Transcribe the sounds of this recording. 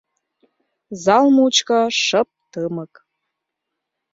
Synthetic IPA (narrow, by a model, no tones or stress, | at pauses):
zɑlmuut͡ɕkɑʃəp̚t̪əmə̆k